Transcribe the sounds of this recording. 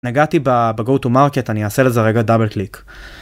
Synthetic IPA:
naɡat̪ibabeɡowtumaʁketaniaːse̞leze̞ʁe̞ɡadabelklik

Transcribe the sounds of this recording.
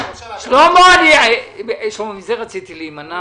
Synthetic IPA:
ʃloamoaniaeʃlomamizeʁat͡sit̪ilimana

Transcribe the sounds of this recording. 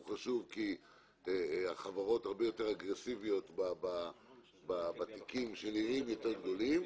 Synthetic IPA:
χaʃuvki | aχavaʁo̞taʁbejo̞te̞ʁaɡʁesivio̞t̪baba | babat̪ikimʃeliʁimjot̪eʁɡd̪o̞lim

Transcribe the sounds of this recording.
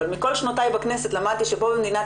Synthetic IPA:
lmiko̞lʃnot̪ajbakneset̪lamad̪̚t̪iʃebobemd̪ina

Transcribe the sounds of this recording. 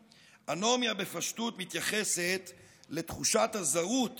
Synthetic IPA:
ʔanomjabe̞faʃtut̪mit̪jaχese̞t̪ | le̞t̪χuʃathazaut

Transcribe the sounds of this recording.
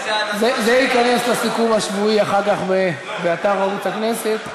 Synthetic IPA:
zezeikaneslasikumhaʃvuiaχaʁkaχbe | beat̪aʁaut͡sakne̞set̪

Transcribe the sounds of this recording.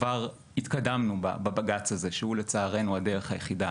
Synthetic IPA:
vaʁ | hit̪kadamnuba̰babaɡat͡shaze̞ʃehulet͡saːʁe̞nuadeʁeχhajeχida

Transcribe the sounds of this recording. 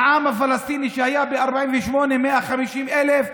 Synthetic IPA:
ʕamafalast̪iniʃehajabeaɾbaʕiːmvɛʃmonemeʔaχamiʃimʔelef

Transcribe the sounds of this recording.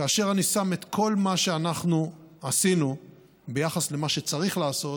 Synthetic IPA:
kaːʃe̞ʁanisame̞t̪kʰo̞lmaʃe̞anaχnuasinu | be̞jaχasle̞maʃet͡saʁiχlaːso̞t

